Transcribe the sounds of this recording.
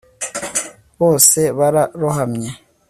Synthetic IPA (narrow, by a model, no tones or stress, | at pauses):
βoːseβaɾaɾuɦamɲe